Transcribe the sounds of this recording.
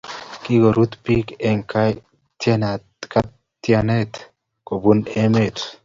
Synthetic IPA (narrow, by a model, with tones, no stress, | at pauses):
ki˦ɡo˨ɾu˦t̪pi˦kɛ˨ŋka | t̪je˦na˨ | ka˦ | t̪ja˨ne˦t̪ | ko˨bu˦ne˦me˦˨t̪